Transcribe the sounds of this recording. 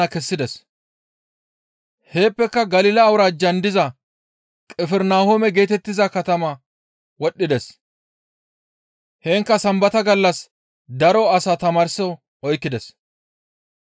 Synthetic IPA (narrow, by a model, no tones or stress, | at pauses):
ɐkɛsːɪd̪ɛs | he̞ːpːɛkːɐɡɐlɪlɐːwʊɾaːd͡ʒɐnd̪ɪzɐ | kʼɛfɛɾnaːhomɛɡe̞ːt̪ɛt̪ːɪzɐkɐt̪ɐmɐ | wɔɗːɪd̪ɛs | heːŋkːɐsɐmbɐt̪ɐɡɐlːɐs | d̪ɐɾɔɐsaːt̪ɐmaːɾsɔ | ɔjkːɪd̪ɛs